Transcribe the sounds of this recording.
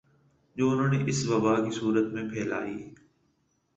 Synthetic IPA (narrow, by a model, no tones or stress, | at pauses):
d͡ʒoːʊnɦõːneːʔɪsʋɐbaːkiːsuːɾət̪mẽpʰɛːla̰ːḭː